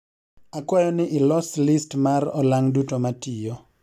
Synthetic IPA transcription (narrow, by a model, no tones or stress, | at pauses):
akwɔjɔnɪʔɪlɔslɪstmarɔlaŋdutomatijɔ